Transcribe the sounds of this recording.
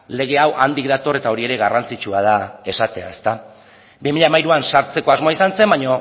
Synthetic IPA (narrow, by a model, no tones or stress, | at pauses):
le̞ɣ̞e̞awʔand̪ik̚d̪at̪o̞re̞t̪ao̞ɾie̞ɾe̞ɣarant͡sit͡ʃuað̞ae̞sat̪e̞a̰e̞st̪a | bimiʎaːmajɾuansaɾt͡se̞ko̞azmo̞aisanse̞mbaɲo̞